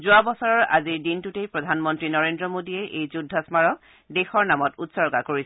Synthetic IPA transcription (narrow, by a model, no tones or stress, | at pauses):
zʊabɔsɔɹɔɹa̰ziɹdintutejpɹɔdʱanmɔntɹinɔɹendɹɔmodiɛʔejzudʱːɔsmaɹɔ | dexɔɹnamɔtutsɔɹɡakoɹisɛ